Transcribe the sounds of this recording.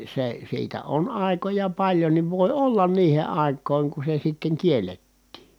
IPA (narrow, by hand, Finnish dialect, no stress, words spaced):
se siːtæ on ɑˑi̯kojɑ pɑlʲjonːiʋ ʋoˑi olːɑn niːhe ɑˑi̯kˑoˑi̯ŋ ku se sitːeŋ kielːetːiː